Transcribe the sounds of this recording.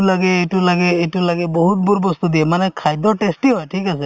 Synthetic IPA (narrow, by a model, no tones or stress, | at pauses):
laɡɛːjtulaɡɛːjtulaɡɛbɔɦut̚buɹbɔst̪ud̪iɛmanɛkʰajd̪ɔɹʈestiɦɔjʈʰikase